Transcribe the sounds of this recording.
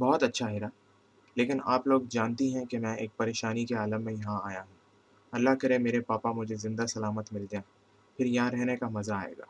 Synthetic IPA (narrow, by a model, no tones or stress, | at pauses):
bɔːt̪ɐtːʃʰaɦɪɾa | leːkɪnaːploːɡd͡ʒaːnt̪eɦɛ̃kemɛ̃eːk̚pɐɾeːʃaːnikeaːləmːẽjɐɦãaːjaɦũː | ɐlːaɦkɐɾemeːɾepaːpamʊd͡ʒʱezɪ̃nd̪asɐlaːmət̪mɪlt̪eãː | pʰɪɾjɐɦãɾɛɦnekamɐzaaːḛːɡa̰ː